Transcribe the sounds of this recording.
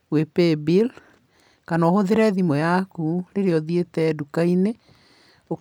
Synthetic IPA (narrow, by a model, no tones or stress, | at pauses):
wepebil | kanɔhoðeɾɛðimɔjakuɾeɾeɔðietɛːdukaine | o